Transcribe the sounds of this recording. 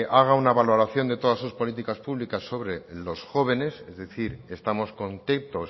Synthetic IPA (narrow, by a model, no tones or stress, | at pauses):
ʔaɣ̞aunaβalo̞ɾaθjo̞nd̪e̞t̪o̞ðasuspo̞lit̪̬ikaspuβlikasːo̞βɾelo̞sxo̞β̞e̞ne̞sezðeθiɾe̞st̪amo̞sko̞nt̪emt̪o